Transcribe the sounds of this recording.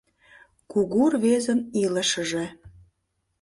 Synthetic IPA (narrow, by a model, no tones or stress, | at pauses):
kuɣurβezə̆niləʃəʒe